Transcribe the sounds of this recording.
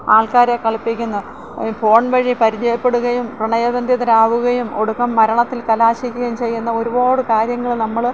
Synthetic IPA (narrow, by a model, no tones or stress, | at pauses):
aːɭkaːɾekːɐɭpːikʲːunːɐ | po̞ːɳʋɐɻipɐɾid͡ʑɐjɐpːe̞ɽuɣɐjumprɨɳɐjɐʋɐnd̪jɐðɐɾaːʋuɣɐjumo̞ɽukːɐmːɐɾɐɳɐt̪ːilkɐlaːɕikʲːuɣɐjumt͡ɕe̞jːunːɐoɾubo̞ːɽɨkaːɾjɐŋːɐɭnɐmːɐɭ